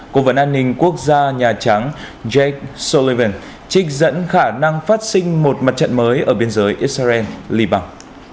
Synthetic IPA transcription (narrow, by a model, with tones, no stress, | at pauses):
ko˧və˨˦nʔaː˧nːï˧ŋ̟ku˦˥ək̚zaː˧ɲaː˨˩t͡ɕa˨˦ŋ | zɛ˦˥k̚so˧li˧və˧˩n | t͡ɕï˦˥k̟̚zə̰˧˥nxaː˧˩na˧ŋfaː˦˥t̚sï˧ŋ̟mo˨˩t̚ma˨˩t̚t͡ɕə̰˧˨nməː˨˦jʔəː˧˩ɓi˧ənzəː˨˦jʔi˦˥t̚sa˧zɛ˧nli˧ɓaː˧ŋ